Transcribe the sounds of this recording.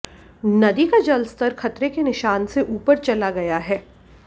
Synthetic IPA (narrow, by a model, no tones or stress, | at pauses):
nɐd̪ikad͡ʒɐlst̪əɾxɐt̪ɾekenɪʃaːnseʔuːpəɾt͡ʃɐlaɡɐjaɦɛː